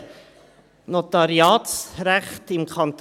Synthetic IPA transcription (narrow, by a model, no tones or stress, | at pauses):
not̪ɑɾiɑːtsɾɛχt̪ɪmkʰɑnt̪